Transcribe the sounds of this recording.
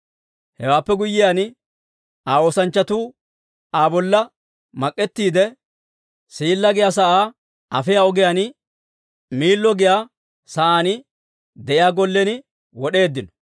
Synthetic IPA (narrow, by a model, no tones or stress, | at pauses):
hɛwaːpːɛɡʊjːɪjan | aːo̞ːsɐnt͡ʃːɐt̪uː | aːbɔlːɐ | mɐkʼːɛt̪ːiːd̪ɛ | siːlːɐɡɪjaːs̬ɐʔaː | ɐ̰fɪjaɔɡɪjan | miːlːɔɡɪjaː | sɐʔaːnɪ | d̪ɛʔɪjaːɡɔlːɛnɪ | wɔɗe̞ːd̪ːɪnɔ̥